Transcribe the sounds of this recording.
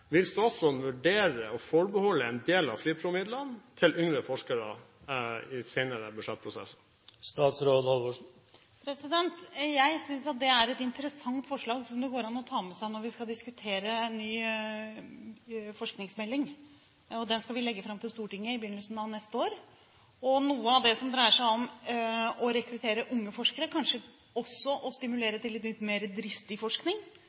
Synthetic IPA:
ʋɪlsd̪ʉɔlsɔʋʉɖeːɾəɔfɔɾbəhɔlːəɛnd̪eːlɑ̰ʋfɾiːpʰɾʊːmɪd̪lənt̪ʰɪlʏŋɾəfɔʂkəɾə̰ | ɪseɪnəɾəbʉʂɛt̪̚ːpʰɾʊsɛ̰sə | st̪ɑːt̪sɾoːd̪hɑlʋɔ | pʰɾɛsɪd̪ɛnt̪jæɪsʏnsɑt̪̚d̪ɛæɾɛt̪ɪnt̪əɾəsɑŋt̪fɔʂɭɑːɡsɔmd̪ɛɡoːɾɑnːɔt̪ʰɑːmɛsæɪnɔɾʋɪskɑld̪ɪskʉt̪ʰeːɾənːyː | fɔʂknɪŋsmɛlːɪŋ | ɔd̪ɛnskɑʋɪlɛɡːəfɾɑmt̪ɪlst̪uːʈɪŋːəɪbəjʏnːəlsn̩ɑʋnɛst̪əoːɾ | ɔnuːəɑʋd̪ɛsɔmd̪ɾæɪəʂæɪɔm | ɔɾɛkɾʉt̪ʰeːɾəʔʊŋːəfɔʂkəɾəkʰɑnʂə | ɔsːɔʔɔst̪ɪmʉleːɾət̪ʰɪlːɪt̪nʏt̪ːmeːɾəd̪ɾɪst̪ɪfɔʂknɪŋ

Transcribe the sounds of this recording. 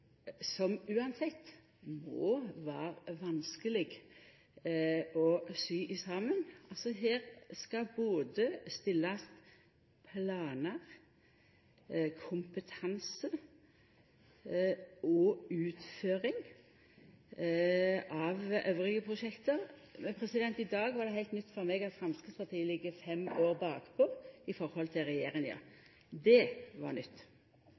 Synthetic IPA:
sɔmʉːɑnsɛt̪ː | mɔ̰ːʋæːʁʋɑnskəlɪɡ | ɔsyːʔɪsɑːmənʔɑlsɔɦeːʁskɑboːd̪əst̪ɪlːɑst̪ | pʰlɑːnəʁ | kʰʊmpət̪ʰɑnsə | ɔʉːt̪føːɾɪŋ | ɑʋøːʋʁɪɡəpʰʁʊʃɛkt̪əʁmɛnpʰɾɛsɪd̪ɛnt̪ɪd̪ɑːɡʋɑɾd̪ɛhæɪt̪nʏt̪ːfɔɾmeːɡɑt̪fɾɑmskɪspɑʁt̪ʰiːəlɪɡəfɛmoːʁbɑːkpʰɔɪfɔɾhɔlt̪ʰɪlʁɛjeːɾɪŋjɑ̰ː | d̪ɛʋɑ̰ɾnʏt̪ː

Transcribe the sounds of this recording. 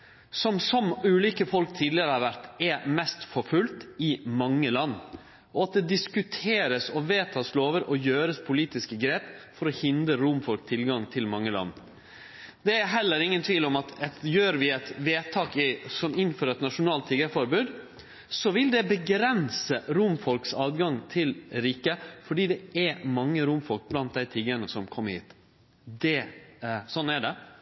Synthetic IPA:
sɔmsɔmʉːliːkəfɔlk̚t̪ʰiːd̪lɪəɾəhɑɾʋæɾt̪ɛmɛst̪fɔfʉlt̪ɪmɑŋːəlɑnː | ʔɔɑt̪̚d̪ɛd̪ɪskʉt̪ʰeːɾəsɔʋeːt̪ʰɑːsloːʋəɾɔjøːɾəspʰʊliːt̪ɪskəɡɾeːpfɔɾɔhɪnd̪ɾəɾʊmfɔlkt̪ʰɪlɡɑŋt̪ʰɪlmɑŋːəlɑ̰nː | d̪ɛæɾɦɛlːəɾɪŋːənt̪ʰʋiːlɔmɑt̪ɛjøːɾʋɪɛt̪ʋeːt̪ʰɑːkɪsɔmɪnføːɾəɛt̪nɑʂʊnɑːlt̪ʰːiɡəfɔɾbʉːd̪ | sɔʋɪld̪ɛbəɡɾɛnsəɾʊmfɔlksɑːd̪ɡɑŋt̪ʰɪlɾiːkəfɔɖiːd̪ɛæmɑŋːəɾʊmfɔlk̚blɑnt̪̚d̪æɪt̪ʰiɡəɳəsɔmkʰɔmːəɾhḭːt̪ | d̪ɛ | sɔnːæɖɛ

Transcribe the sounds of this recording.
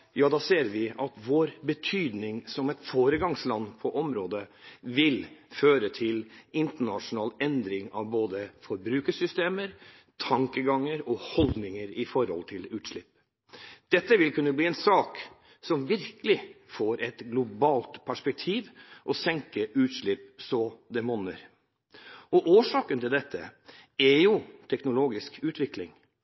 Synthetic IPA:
jɑːd̪ɑːseːɾʋɪʔɑt̪ʋoːɾbət̪ʰyːd̪nɪŋsɔmɛt̪foːɾəɡɑŋslɑnːpʰɔʔɔmɾoːd̪əʋɪlføːɾət̪ʰɪlɪnt̪əɳɑʂʊnɑːlɛnd̪ɾɪŋɑʋboːd̪əfɔɾbɾʉːkəsʏst̪eːməɾ | t̪ʰɑŋkəɡɑŋːəɾɔhɔld̪nɪŋəɾɪfɔɾhɔ̰lt̪ʰɪlʉːt̪ʂɭɪpː | d̪̥ɛt̪ːəʋɪlkʰʉnːəbliːɛnsɑːk | sɔmʋɪɾkəlɪfoːɾʔɛt̪ɡlʊbɑːlt̪pʰæʂpɛk̚t̪ʰiːʋʔɔsɛŋkəʔʉːt̪ʂɭɪpsɔd̪ɛmɔnəɾ | ɔʔoːʂɑːkənt̪ɪld̪ɛt̪ʰːə̰ɛɾjʊt̪ʰɛknʊloːɡɪskʉːt̪ʋɪklɪŋ

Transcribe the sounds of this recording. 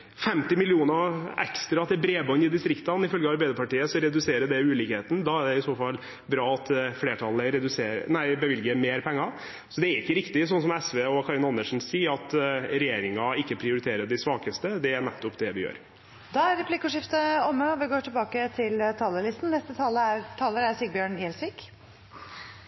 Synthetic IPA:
fɛmt̪ɪmɪlɪuːnɑɛ̰kst̪ɾɑɑt̪̚d̪ɛbɾeːbɑnːɪd̪ɪst̪ɾɪkt̪ɑnɪfœlɡəɑɾbæɪd̪əpɑʈiːəsɔɾɛd̪ʉseːɾəɖ̪ɛʉːliːkheːt̪n̩d̪ɑːæɖɛɪsoːfɑlː | bɾɑːɑt̪fleːʈʰɑlːəɾɛd̪ʉseːɾnæɪbəʋɪlɡəmeːɾpʰɛŋːɑ | sɔd̪ɛæɾɪkːəɾɪkt̪ɪsɔnsɔmɛsʋeːɔkʰɑɾɪnɑnd̪əʂn̩siːəɾɑt̪ɾɛjeːɾɪŋɑɪkːəpʰɾɪʊɾɪt̪ʰeːɾəɖɪsʋɑːkəst̪əd̪ɛæɳɛt̪ːɔpd̪ɛʋɪjø̰ːɾ | d̪ɑːæɾɾɛpʰlɪkːʊʂɪft̪əɔmːəɔʋɪɡoːʈʰɪlbɑːkət̪ʰɪlt̪ʰɑːləlɪst̪n̩nɛst̪ət̪ʰɑləæt̪ʰɑːləɾæɾsyːɡ̚bjøːɳɪːɛlsʋiːk

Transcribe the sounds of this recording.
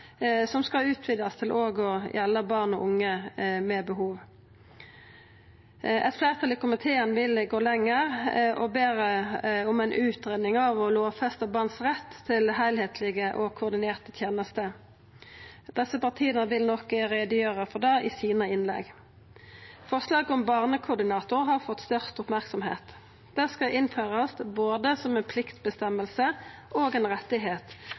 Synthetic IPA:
sɔmskɑʉːt̪ʰʋɪd̪jɑst̪ʰɪlʔoːɡɔjɛlːəbɑːʁnɔʔʊŋːəmɛbəɦuːʋ | ɛt̪flæːʁt̪ʰɑlikʰʊmɪt̪ʰeːənʋɪlɡoːlɛŋːəʁʔɔbeːɾəʊmɛɪnʔʉːt̪ɾɛnnɪŋɑʋɔloːfɛst̪əbɑːnsʁɛt̪ʰːɪlɦæɪlheːt̪ʰlɪɡəʔɔkʰʊːʁd̪ɪneːʁt̪ət̪ʰjeːnəst̪ə | d̪̥ɛsəpɑʁt̪ʰiːənəʋɪlnɔkəʁeːd̪əjøːʁəfɔd̪ɛʔɪsiːnəɪnlɛ̰ɡ | fɔʁslɑːɡɔmbɑːʁnəkʰʊʁd̪ɪnɑːt̪ʊʁɦɑʁfɔt̪ːst̪œʁt̪ʊpmæʁksɔmhḛːt̪ | d̪̥ɛskɑʔɪnføːʁəsboːd̪əsɔmɛnpʰlɪkt̪bəst̪ɛmːəlsəʔoːɡɛːnʁɛt̪ːɪɦeːt̪

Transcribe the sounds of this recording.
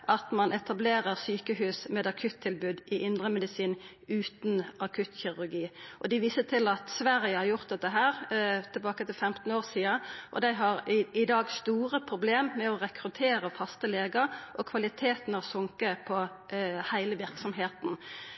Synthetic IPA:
ʔɑt̪mɑnɛt̪ɑbleːʁəʁsyːkəhʉːsmɛːd̪ɑkʰʉt̪ʰːɪlbʉːd̪ɪʔɪnd̪ʁəmɛd̪ɪsiːn | ʉːt̪nɑkʰʉt̪çɪʁʉʁɡiːʔɔd̪ɪʋiːsət̪ʰɪlɑt̪sʋæʁjəhɑɾjʊʁt̪̚d̪ɛt̪ːəɦæːʁt̪ʰɪlbɑːkət̪ɪlfɛmt̪n̩oːʁsiːɑʔɔ̰d̪æɪɦɑʁɪd̪ɑːɡst̪uːɾəpʰʁʊbleːmːɛɔʁɛkʰɾʉt̪ʰeːʁəfɑst̪əleːɡəɾʔɔkʰʋɑlɪt̪ʰeːt̪n̩ɔsʊŋkəpʰɔ | hæɪləʋɪɾksɔmɦeːt̪n

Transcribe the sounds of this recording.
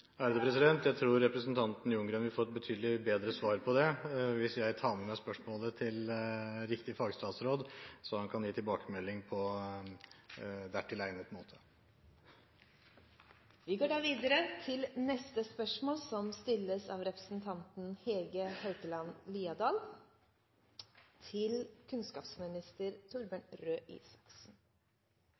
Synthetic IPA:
æɾd̪əpʰɾɛsɪd̪ɛnt̪jæɪt̪ʰɾuːɾːɛpɾəsnt̪ʰɑnt̪n̩ɪʊŋɡɾənʋɪfɔɾt̪̚bət̪ʰyːd̪lɪbeːd̪ɾəsʋɑːɾpʰɔd̪ɛʋɪsjæɪt̪ʰɑːməmæspœʂmoːlət̪ʰɪlɾɪkt̪ɪfɑɡst̪ɑːt̪sɾoːd̪sɔhɑnkʰɑnjiːt̪ʰɪlbɑːkəmɛlːɪŋpʰɔ | d̪æʈʰɪlæɪnət̪moːt̪ʰə̥ | ʋɪɡoːɖɑːʋiːd̪əɾət̪ʰɪlnɛst̪əspœʂmoːlsɔmst̪ɪlːəsɑʋɾɛpɾəsn̩t̪ʰɑnt̪n̩hɛːlɡəhœʏt̪əlɑnliːɑd̪ɑːl | t̪ʰɪlkʰʉnskɑːpsmɪnɪst̪əɾt̪ʰʊɾbənɾøːʔḭːsɑ̥ksn̩

